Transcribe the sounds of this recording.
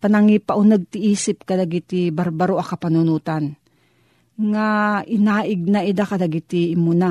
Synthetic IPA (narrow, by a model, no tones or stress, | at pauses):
pɐnɐŋipaʔʊnaɡ̚t̪ɪʔiːsɪp̚kɐd̪aɡit̪ɪbaɾbaɾoʔakɐpɐnʊnuːt̪an | ŋaʔɪnaːʔɪɡ̚naʔɪd̪akɐd̪ɐɡit̪ɪʔːmuna